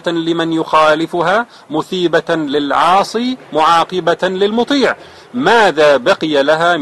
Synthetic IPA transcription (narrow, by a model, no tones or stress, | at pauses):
lɪmanjʊxaːlɪfʊɦaː | mʊθiːbalɪlʕɑːsˤiːmʊʕɑːqɨbalɪlmʊt̪ˤiːʕ | maːðaːbaqɪjalaɦaː